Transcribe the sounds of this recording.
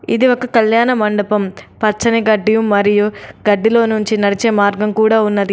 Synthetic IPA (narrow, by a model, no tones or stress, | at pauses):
ḭd̪iʋokɐkɐljaːnɐmɐɳɖɐpɐmpɐt͡ʃːɐniɡɐɖːijumɐɾijuɡɐɖːilo̞ːnuɲt͡ʃinɐɽit͡ʃeːmaːɾɡɐmkuːɽaːunːɐd̪i